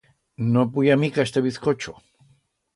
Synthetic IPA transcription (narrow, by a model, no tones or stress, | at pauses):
nopujamikaest̪eβiθkot͡ʃo